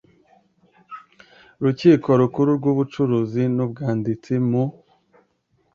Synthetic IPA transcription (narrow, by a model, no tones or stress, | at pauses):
ɾuciːko̞ɾukuɾuɾɡuːβut͡ʃuɾuːzinubɡaːndit͡simu